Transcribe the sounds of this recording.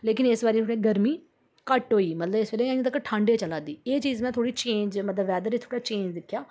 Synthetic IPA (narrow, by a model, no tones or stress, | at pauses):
leːk̬ɪnɪsʋaːɾiːt̪ʰoɽeːɡəɾmiː | kəʈɦoːiːmət̪ləbɪsʋeːleːaĩt̪əkːʈʰãːɳɖeːt͡ʃəlaːd̪iːeːt͡ʃiːzmɛ̃ːt̪ʰoːɽiːt͡ʃẽːɲd͡ʒmət̪ləbʋɛːd̪əɾɪt̪ʰoːɽaːt͡ʃẽːɲd͡ʒd̪ɪkʰːjaː